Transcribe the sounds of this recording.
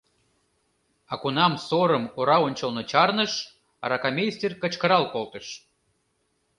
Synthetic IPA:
ɑkunɑmsoɾəmoɾɑonʲt͡ɕəlnot͡ɕɑrnəʃ | ɑ̰ɾɑkamʲesʲt̪ʲerkə̆t͡ɕkəɾɑlkolt̪əʃ

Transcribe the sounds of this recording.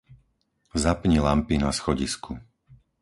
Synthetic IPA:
zapɲilampinasxɔɟiskʰu

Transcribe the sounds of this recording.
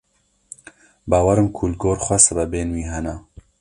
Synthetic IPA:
baːwɐɾɨmkʰulɡoːɾxʷɛsbɛbeːnwiːɦɛna

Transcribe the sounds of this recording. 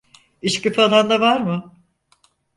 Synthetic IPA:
iʃkɯfɯalˠand̪avaɾmɯ

